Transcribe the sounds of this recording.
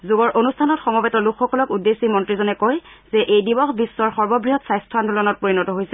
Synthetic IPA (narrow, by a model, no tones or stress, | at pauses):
zuɡɔɹʔonustʰanɔtxɔmɔbɛtɔlukʰxɔkɔlɔkudːesimɔntɹizɔnɛkɔjzɛʔejdibɔxbisːɔɹxɔɹbɔbɹiɦɔtsajstʰandʱulɔnɔt̚poɹinɔtɔɦojsɛ